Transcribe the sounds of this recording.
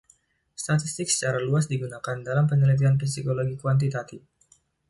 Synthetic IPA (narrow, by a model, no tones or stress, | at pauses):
st̪at̪ist̪ɪk̚sə̥t͡ʃaɾaluasdiɡunakandalampənəlit̪̬ianfisikoloɡikuwant̪̬it̪at̪if